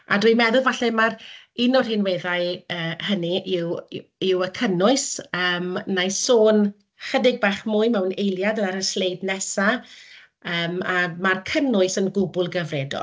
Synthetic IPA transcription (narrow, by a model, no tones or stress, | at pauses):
a̰dwimɛðʊlˠvaɬɛmar | ɪnɔrhɪnwɛðaɨəːhəniʔɪwɪwəkʰənʊɨsəːmnajsoːn | χədɪɡ̚baːχmʊɨmɛwnejlˠjadlˠaɾəslejdnɛsa | əːmamarkʰənʊɨsənɡʊbʊlˠɡəvrɛdɔ̰lˠ